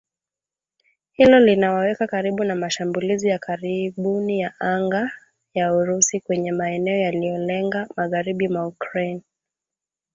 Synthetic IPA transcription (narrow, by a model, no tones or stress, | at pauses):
hilɔlinawawɛkakaɾiɓunamaʃambulizijakʰaɾiɓunijaʔaŋɡa | jauɾusikwɛɲɛmaɛnɛɔjalijɔlɛŋɡamaɣaɾiɓimaukɹan